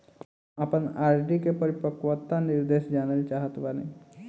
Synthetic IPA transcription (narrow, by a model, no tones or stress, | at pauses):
apənaːɾɖikepəɾipəkʋət̪ːanɪɾd̪eːʃd͡ʒaːnəlt͡ʃaɦət̪ʋanḛ